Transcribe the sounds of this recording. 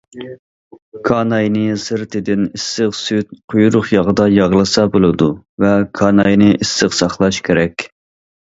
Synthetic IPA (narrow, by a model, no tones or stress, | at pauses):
kʰɑːnɑjnɨsɨɾt̪ʰɪd̪ɪnisːɨqsyt̪̚qʰʊjɾʊχjɑʁəd̪ɑjɑʁlˠɨsɑbolˠɨd̪u | vɛkʰɑːnɑjnɨʔisːɨqsɑχlˠɑʃkʲʰeɾɛkʲ